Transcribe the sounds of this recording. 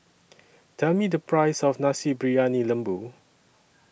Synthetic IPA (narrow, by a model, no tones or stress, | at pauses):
d̥ɛmidəpɹaɪsɔfnãsibɹianilə̃mbu